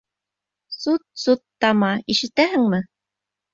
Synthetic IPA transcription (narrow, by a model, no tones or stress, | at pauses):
sut̪̚sut̪ːɑmɑiʃɘ̆t̪æɦɘ̆ŋmɘ